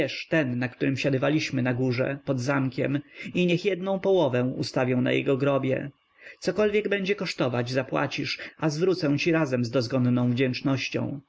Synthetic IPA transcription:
ɛʂt̪ɛnːakt̪uɾɘmɕad̪ɪvalʲiɕmɘnaɡuʐɛ̰pɔd̪zamkʲɛ̰miɲɛxjɛd̪̚nɔ̃w̃pɔwɔvɛ̃ṵst̪avʲjɛw̃na̰jɛ̰ɡɔɡɾɔbʲjɛ̰ | t̪sɔkɔlvʲjɛɡbɛɲd͡ʑɛkɔʂt̪ɔvad͡ʑzapwa̰t͡ɕiʂʔazvɾut̪sɛw̃t͡ɕiɾazɛmzd̪ɔzɡɔnnɔ̃w̃vd͡ʑɛnt͡ʂnɔɕt͡ɕɔ̰̃w̃

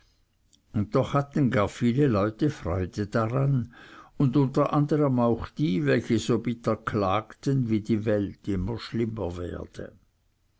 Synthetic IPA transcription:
ʊnt̚dɔχhatn̩ɡaːɐfiːləlɔʏtəfʁɔʏdəd̥aʁanʊndʊntɐʔandəʁəmaʊxd̥iːvɛlçəzoːbɪtɐkʰlaːktənviːdiːvɛltɪmɐʃlɪməvɛ̰ːɐd̥ə̰

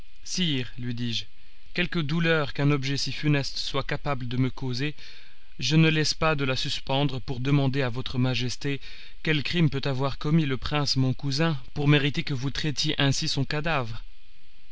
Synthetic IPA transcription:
siːʁlɥid̪iːʒ | kʲɛlkəd̪ulœːʁkɛ̃nɔbʒɛsifynɛst̪swakapabləd̪əməkoze | ʒənəlɛspad̪əlasyspɑ̃d̪ʁəpuʁd̪əmɑ̃d̪eavɔt̪χəmaʒɛst̪e | kʲɛlkχimpøt̪avwaʁkɔmiləpχɛ̃smɔ̃kuzɛ̃puʁmeʁit̪ekəvut̪χɛt̪jeʔɛ̃sisɔ̃kad̪avʁ

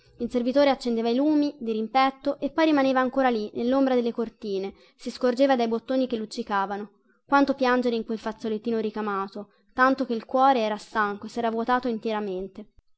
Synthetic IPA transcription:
ilservit̪oːɾeat͡ʃːend̪eːvailuːmid̪iɾimpɛt̪ːoʔepːɔjrimaneːvaːŋkoːɾalinelːombɾad̪elːekort̪iːne | siskord͡ʒeːvad̪ajbot̪ːoːnikelːut͡ʃːikaːvano | kwant̪opjand͡ʒeɾeiŋkwelfat̪sːolet̪ːiːnoɾikamaːt̪o | t̪ant̪ok̟eilkwɔːɾeɛːɾast̪aŋkoesːɛːɾavwot̪aːt̪oint̪eɾament̪e

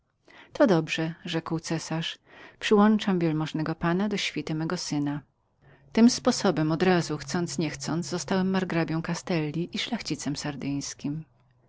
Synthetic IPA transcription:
t̪ɔd̪ɔbʐɛʐɛkwt̪sɛsaʂ | pʂɘwɔnt͡ʂamvʲjɛlmɔʐnɛɡɔpanad̪ɔɕfʲit̪ɘmɛɡɔsɘna | t̪ɘmspɔsɔbɛmɔd̪ɾazuxt̪sɔnt̪sɲɛxt̪sɔnd̪zzɔst̪awɛmːaɾɡɾabʲjɔ̃w̃kast̪ɛlːʲiʔiʂlaxt͡ɕit̪sɛmsaɾd̪ɘj̃skʲim

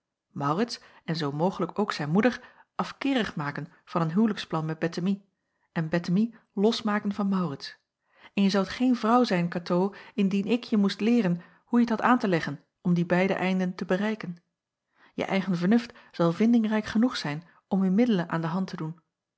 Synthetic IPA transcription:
mɑwrɪts | ɛnzowmowχələkowksɛjnmudəɹʔɑfkɪːrəχmaːkən | v̥ɑnənɦywləksplɑnmɛd̚bɛtəmi | ʔɛnbɛtəmi | lɔsmaːkənvɑnmɑwrɪts | ɛnjəzɑwtχejnvrɑwzɛjnkatowɪndinɪkʰjəmustlɪːrən | hujətɦɑtaːntəlɛχən | ɔmdibɛjdə̰ʔɛjndəntəbərɛjkən | jə̰ʔɛjχənvəɹnɵftz̥ɑlˠvɪndɪŋrɛjkχənuχsɛjn | ɔmymɪdələnʔa̰ːndəɦɑntədun

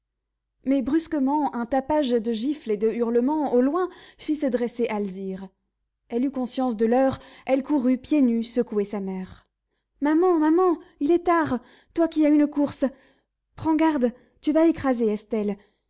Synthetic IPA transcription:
mɛbʁyskəmɑ̃ɛ̃t̪apaʒd̪əʒifled̪əyʁləmɑ̃olwɛ̃fisəd̪ʁeseʔalziʁ | ɛlykɔ̃sjɑ̃s̬d̪əlœʁɛlkuʁypjenysəkuesamɛːʁ | mamɑ̃mamɑ̃ilɛt̪aʁ | t̪wakʲiaynkuʁs | pχɑ̃ɡaʁd̪ | t̪yvaekχazeɛst̪ɛl

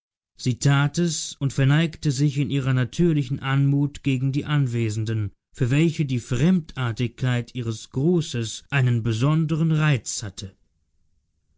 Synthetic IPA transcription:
z̥iːtʰaːtɛsʊntfɛɐnaɪktəzɪçɪnʔiːʁɐnatʰyːɐlɪçn̩ʔanmuːtɡ̥eːɡŋ̩diːʔanveːzn̩dən | fyːɐvɛlçədiːfʁ̥ɛmtʔaːɐtɪçkʰːaɪtʔiːʁ̞əsɡ̥ʁuːsəsʔaɪnənbəzɔndəʁənʁaɪt͡shatʰə

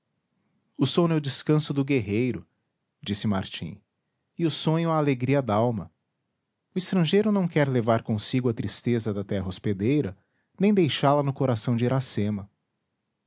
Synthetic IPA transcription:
ʊsõnɛʊd͡ʒɪskɐ̃sʊd̪ʊɡeɦejɾʊ | d͡ʒisɪma̰ɾt͡ʃḭ̃ | ɪʊsõɲʊɐːleɡɾiɐd̪awmɐ | ʊɪst̪ɾɐ̃ʒejɾʊnɐ̃w̃kɛɾlevaɾkõsiɡʊɐt̪ɾist̪ezɐd̪ɐt̪ɛɦɐosped̪ejɾɐ | nẽj̃d̪ejʃalɐnʊkoɾasɐ̃w̃d͡ʒɪɾasẽmɐ

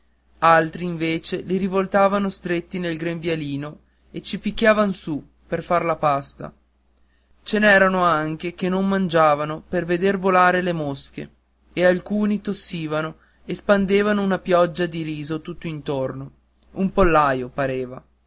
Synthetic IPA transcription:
alt̪ɾiːɱveːt͡ʃeliɾivolt̪aːvanost̪ɾet̪ːinelɡɾembjaliːno | et͡ʃipikːjaːvanosu | perfarlapast̪a̰ | t͡ʃenɛːɾanoaŋk̟ekenːommand͡ʒaːvanoperved̪ervolaːɾelemoskḛ | ealkuːnit̪osːiːvano | espand̪eːvanounapjɔd͡ʒːad̪iɾiːzot̪ut̪ːoint̪orno | umpolːaːjopaɾeːva

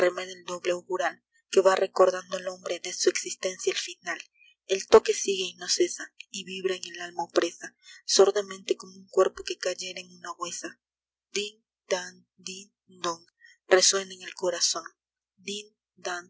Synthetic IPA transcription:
remeðeld̪o̞βleuɣuɾal | ke̞βarʔe̞ko̞ɾðand̪oalo̞mbɾeðe̞sueksist̪e̞nsjaalfinal | elt̪o̞ke̞siɣeino̞se̞saiβiβɾaeŋe̞lalmaopɾe̞sasoɾðemẽnt̪e̞ko̞mouŋkwe̞ɾpoke̞kaʝeɾaeŋunaɣwe̞sa | d̪in | d̪̥an | d̪in | d̪oŋ | re̞swe̞naeŋe̞lko̞ɾaso̞n | d̪in | d̪an

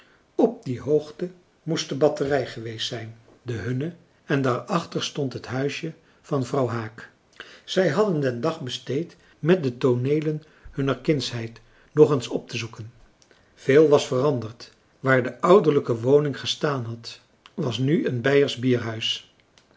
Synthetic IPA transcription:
ɔp̚diɦowχtə | mustəbɑtərɛjχəʋejstsɛjn | dəɦɵnə | ɛndaːɹɑχtəɹstɔntɦətɦœɥsjə | v̥ɑnvrɑwɦaːk | z̥ɛjɦɑdəndɛndɑχbəstejt | mɛt̚dətonejlən | hɵnəɹkɪnsɦɛjt | nɔχənsɔp̚təzukən | v̥eːlˠʋɑsfərɑndəɹt | ʋaːɹdəʔʌwdəɹləkəʋownɪŋχəstaːnɦɑt | ʋɑsnyənbɛjəɹzbiːɹɦœɥs

